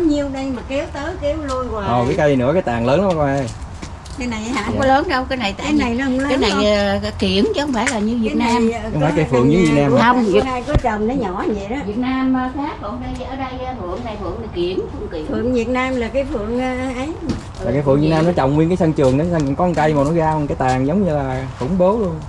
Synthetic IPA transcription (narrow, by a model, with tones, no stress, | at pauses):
ɲi˧əwɗə˧jmaː˨˩kɛ˨˦wt̪əː˨˦jkɛ˨˦wlu˧ənkwaː˨ʔɔ˨˩kaː˨˦kə˧jnɨ̰˧˥əkaː˨˦jt̪aː˨˩ŋləː˨˦nɔ˨˧˦kɔ˧ʔa˧˩j | kaː˨˦jna˨˩jʔha̰ː˧˨kɔ˨˦ləː˨˦nɗə˧wkaː˨˦jna˨˩jt̪aː˧˨˦na˨˩jnɔ˨˦hɔ˧˦ŋ͡mlːaː˨˦jna˨˩jki˧˩ənt͡ɕɔ˧xə˧wŋ͡mfaː˧˩jlaː˨˩ɲɨ˧vi˨˩ət̚naː˧m˧wfaː˨˦jkaː˨˦fɨ̰˧˨əŋɲɨ˨˧˦vi˨˩t̚naː˧mə˧wŋ͡mi˧˨˩əaː˧jkɔ˨˦t͡ɕə˨˩mnə˨˦ɲɔ˧˨˩ɲɛ˨ɗɔ˨˦vi˨˩ət̚naː˧maː˨˧faː˦˥t̚fɨ˧˨˩əmɗə˧jʔəː˧˩ɗə˧jmɨ̰˧˨əŋna˨˩jfɨ̰˧˨əŋla˨˩ki˧˩ənku˧˩ŋki˨˩˦fɨ̰˨˧˨əŋvi˨˩ət̚naː˧mlaː˨˩kaː˨˦jfɨ̰˧˨əŋː˧ʔə˨˦j | aː˨kaː˨˦fɨ̰˧əŋvi˨˩t̚naː˧nɔ˨˦t͡ɕə̰˨˩wŋ͡mŋwi˧ənkaː˨˦sə˧nt͡ɕɨ˨˩əŋɗɔ˨˦sə˧ŋ˨kɔ˨˧˦nkə˧jmaː˨˩nɔ˨˦ɣaː˧wŋkaː˨˦jt̪aː˨˩ŋzə˨˦wŋ͡mɲɨ˧laː˨˩xʊ̰˧˩˦ŋ͡mɓo˨˦lu˧ən